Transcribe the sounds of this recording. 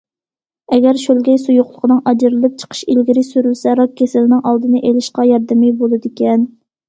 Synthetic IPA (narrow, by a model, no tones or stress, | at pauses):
ɛɡʲɛɾʃølɡʲɛjsujʊχlˠəqʰənɨŋɑd͡ʒɪɾɨlˠɨp̚t͡ʃʰə̥qʰə̥ʃilɡʲiɾɪsyɾylsɛɾɑkʲʰːesɪlnɪŋɑlˠd̪ɨnɨʔelɪʃqɑjɑɾd̪ɪmɪbolˠɨd̪ɪkʲɛn